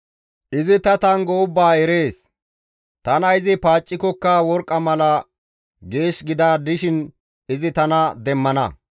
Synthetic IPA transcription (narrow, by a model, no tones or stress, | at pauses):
ʔɪzɪt̪ɐt̪ɐŋɡɔʊbːaːɛɾe̞ːs | t̪ɐnɐɪzɪpaːt͡ʃʼːɪkɔkːɐwɔɾkʼːɐmɐlɐ | ɡe̞ːʃɡɪd̪aːd̪ɪʃɪn | ɪzɪt̪ɐnɐd̪ɛmːɐnɐ̰